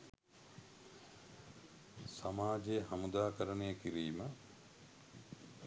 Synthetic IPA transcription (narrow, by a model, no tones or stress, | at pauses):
samaːd͡ʒejəhɐmud̪aːkəɾənejəkiɾiːmə